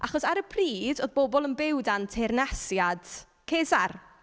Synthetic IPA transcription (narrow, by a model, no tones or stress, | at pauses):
ʔaχɔsaɾəpʰriːdoðbɔbɔlˠənbɪwdantʰernasjad̥ | kʰeːzar